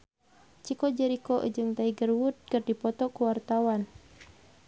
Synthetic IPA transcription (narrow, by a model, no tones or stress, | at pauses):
t͡ʃikɔd͡ʒɛɾikɔʔd͡ʒɨŋt̪aiɡərwut̪̚kərdipɔt̪ɔkuwart̪awan